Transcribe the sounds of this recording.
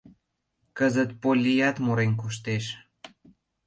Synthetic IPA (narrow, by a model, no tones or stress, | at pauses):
kəzət̪̚polʲːijɑt̪moɾenkuʃ̬t̪eʃ